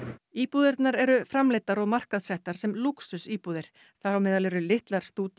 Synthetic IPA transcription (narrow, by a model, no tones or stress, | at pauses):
iːpuːðɪɾt̪naɾɛɾʏfɾamlejt̪aɾɔɣmar̥kaðsɛht̪aɾ̥sɛmluksʏsiːpuːðɪɾ̥ | θawmɛːðalɛɾʏlɪht̪laɾ̥st̪uːt̪